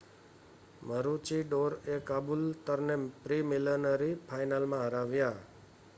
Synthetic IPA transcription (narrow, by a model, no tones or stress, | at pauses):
məɾut͡ʃiɖoɾekabult̪əɾnepɾimilənəɾipʰajnalmãɦəɾaʋja